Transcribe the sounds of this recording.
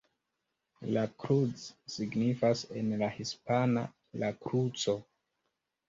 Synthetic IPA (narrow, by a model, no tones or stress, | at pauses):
lakɾut͡sːiɡnifase̞nlahispana̰ | lakɾut͡so̞